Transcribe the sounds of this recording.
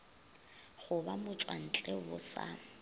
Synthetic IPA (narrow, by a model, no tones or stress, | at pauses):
χʊbamʊt͡ʃʼwan̩t͡ɬʼeʊsa̰